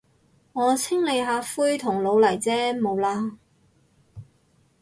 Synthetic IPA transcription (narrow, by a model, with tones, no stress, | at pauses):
ŋɔː˨˧t͡sʰɪ˥ŋle˨˧jɦaː˨˧fuː˥jt̪ʰʊ˨˩ŋlo˨˧wlɐ˨˩jt͡sɛː˥mo˨˧wlaː˧